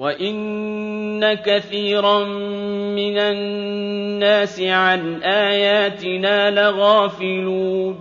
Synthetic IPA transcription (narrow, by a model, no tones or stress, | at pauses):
waʔɪnː | akaθiːɾammɪna | nːaːsɪʕanʔaːjaːt̪ɪnaːlaɣaːfɪluː